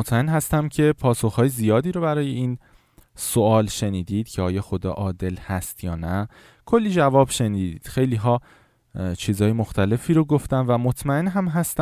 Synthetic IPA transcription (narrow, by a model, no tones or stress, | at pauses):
mot̪ʰmæenɦæst̪æmcʰe̞pʰɒːsoxhɒːjezijɒːd̪iːɾobæɾɒːjeiːn | soɒːlʃe̞niːd̪iːd̪̥cʰeɒːjɒːxod̪ɒ̰ːʔɒːd̪e̞lhæst̪jɒːnæ | kʰo̞lːiːd͡ʒævɒːbʃe̞niːd̪iːd̪̥xe̞jliːɦɒː | t͡ʃʰiːzɒːjemoxt̪æle̞fiːɾoɡoft̪æmvæmot̪ʰmæenɦæmɦæst̪æ